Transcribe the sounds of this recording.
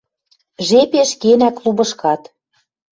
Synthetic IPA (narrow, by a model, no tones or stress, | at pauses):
ʒepeʃkenæklubɤ̆ʃkɑt̪